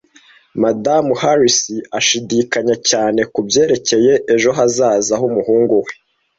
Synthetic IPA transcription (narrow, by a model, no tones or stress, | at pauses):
madamuhaɾisiaʃidikaɲacaːne̞kubje̞ːɾe̞ce̞je̞ʔeʒo̞ɦazaːzaɦumuhuːŋɡuwe